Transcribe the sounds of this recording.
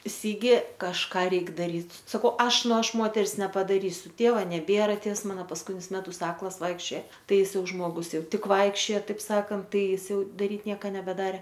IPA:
ˈsʲɪɡʲɪ kɐʃˈkɑː ˈrʲɛɪk dɐˈrʲiːt sɐˈkɐʊ ˈɐʃ ˈnʊ ˈɐʃ ˈmoːtʲɛrs nʲɛpɐdɐˈrʲiːsʲʊ ˈtʲeːʋɐ nʲɛˈbʲeːrɐ ˈtʲeːws ˈmɑːnɐ pɐskʊˈtʲɪnʲʊs ˈmʲæːtʊs ˈɑːklˠɐs ˈʋɐɪkʃʲt͡ʃʲoːjɛ ˈtɐɪ ɪˈsɐɪ ˈjɛʊ ˈʒmoːɡʊs ˈjɛʊ ˈtʲɪk ˈʋɐɪkʃʲt͡ʃʲoːjɛ ˈtɐɪp ˈsɑːkɐnt ˈtɐɪ ˈjɪs ˈjɛʊ dɐˈrʲiːt ˈnʲiɛkɐ nʲɛbʲɛˈdɑːrʲɛ

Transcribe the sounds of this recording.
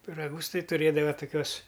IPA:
pʲɪrɐˈɡʊs ˈtɐɪ tʊˈrʲeːdɐʋɐ toːˈkʲuɔs

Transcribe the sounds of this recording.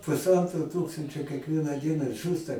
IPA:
pʊsˈɐntroː ˈtuːkstɐnʲt͡ʃʲoː kʲiɛkˈʋʲiɛnɑː ˈdʲiɛnɑː ˈʒuːstɐ

